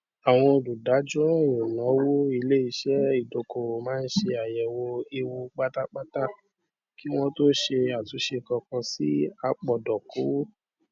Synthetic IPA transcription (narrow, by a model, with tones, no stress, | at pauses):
a˨w̃ɔ̃˧o˨du˨da˨˦d͡ʒũ˦ɾ̃ã˦˨o˨nã˨˦wo˦i˧le˦i˧ʃɛ˦i˦˨do˨ko˨ɾo˨mãː˦n̩˦ʃe˧a˨jɛ˨wo˧e˧wo˧ɡ͡ba˦ta˦k͡pa˦ta˦˨ | ki˦w̃ɔ̃˦to˦ʃe˧a˨tu˨˦ʃe˧kɔ̃˧kɔ̃˧si˦a˧˨k͡pɔ˨dɔ˨ko˨˦wo˦